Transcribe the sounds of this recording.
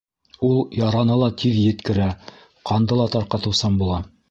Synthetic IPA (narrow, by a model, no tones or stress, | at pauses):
ulˠjɑɾɑnɤlˠɑt̪ʰiðjɘ̆t̪kɘ̆ɾæ | qɑnd̪ɤlˠɑt̪ɑɾqɑt̪ɤ̆wsɑmbulˠɑ